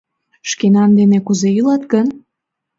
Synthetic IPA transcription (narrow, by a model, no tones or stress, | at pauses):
ʃkenɑnd̪enekuzeylɑt̪ɡən